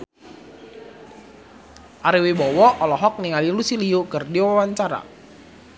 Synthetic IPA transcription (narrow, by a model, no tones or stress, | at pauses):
ʔaɾiwibɔwɔʔɔlɔɦɔk̚niŋalilusiliukərdiwaawaɲt͡ʃaɾa̰